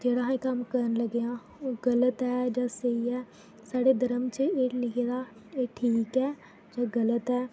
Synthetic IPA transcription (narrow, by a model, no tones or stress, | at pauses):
d͡ʒeːɽaːɦekəmkəɾənləɡejãː | oːɡələt̪ɦɛːd͡ʒãːsəiɛː | saːɽeːd̪əɾəmt͡ʃəeːlɪkʰeːd̪aːeːʈʰiːkɛː | d͡ʒaːɡələt̪ɛː